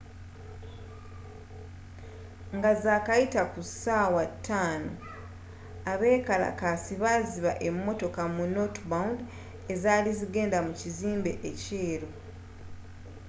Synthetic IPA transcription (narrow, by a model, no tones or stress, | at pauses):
ŋɡazaːkajitakusaːwatʰːaːno | aβe̞ːkala̰kasiβaziβa̰ʔe̞mːo̞to̞kamuno̞tbaund | e̞zaːliziɡe̞ːndamuciziːmbe̞ʔece̞ːɾo